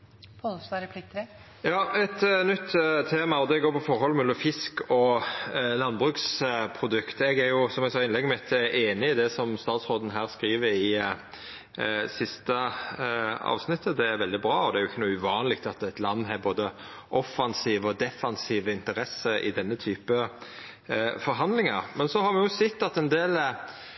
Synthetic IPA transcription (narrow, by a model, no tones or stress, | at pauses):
ɾpʰlɪkt̪ | jɑːɛt̪nʏt̪ːt̪ʰeːmɑɔd̪ɛɡoːɾpʰɔfɔɾhɔlmɛlːɔmfɪskɔ | lɑnbʁʉːkspʰɾʊd̪ʉkt̪ɛɡæɾjʊsɔmɛɡsɑːɪnlɛɡmɛɛt̪ʔeːnɪɪd̪ɛsɔmst̪ɑːt̪sʁoːd̪n̩ɦæːʁskɾiːʋəɾɪ | sɪst̪ə | ɑ̰ːʋsnɪt̪ʰːəd̪ɛæɾʋɛld̪ɪbɾɑːɔd̪ɛæɾjʊɪçːənuːʉʋɑːnəlɪk̚t̪ɑt̪æɪt̪lɑnːɦɑɾboːd̪ə | ʔɔfːɑnsiːʋəɔd̪ɛfɑnsiːʋəɪnt̪əɾɛsːəʔɪ̰d̪ɛnːət̪ʰyːpə | fɔɾɦɑnd̪lɪŋɑɾmɛnsɔhɑɾmɛjʊsɛt̪ːɑt̪ɛnd̪eːl